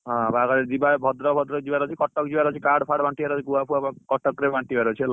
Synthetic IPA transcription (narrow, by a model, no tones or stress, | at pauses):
ɦɔ̃baɡaɾed͡ʒibabʱɔd̪ɾɔbʱɔd̪ɾɔd͡ʒibaɾɔt͡ʃʰikɔʈɔk̚d͡ʒibaɾɔt͡ʃʰikaɽpʰaɽbaɳʈibaɾot͡ʃʰikuapʰuabkɔʈɔkɾebʱaɳʈibaɾɔt͡ʃʰil